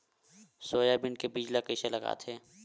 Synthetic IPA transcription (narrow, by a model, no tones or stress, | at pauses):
soːjabɪnkebid͡ʒlakəselɐɡa̰ːt̪ʰɦeː